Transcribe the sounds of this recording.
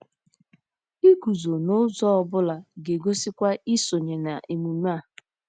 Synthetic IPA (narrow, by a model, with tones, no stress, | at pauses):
i˦ɡu˨zo˨nʊ˦zɔ˦ɔ˦bʊ˦la˨ɡe˨ɡo˦si˦kʷa˦i˦so˨ɲe˨na˨ʔe˨mu˨m˦a˦˨